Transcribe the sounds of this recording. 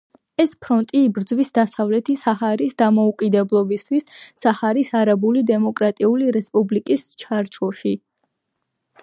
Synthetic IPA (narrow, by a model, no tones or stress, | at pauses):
ɛspʰɾɔnt̪ʼiːbɾd̪zwisd̪asavlɛt̪ʰisahaɾisd̪amɔukʼid̪ɛblˠɔbist̪ʰwisːahaɾisaɾabulid̪ɛmɔkʼɾat̪ʼiuliɾɛspʼublikʼist͡ʃʰaɾt͡ʃʰɔʃi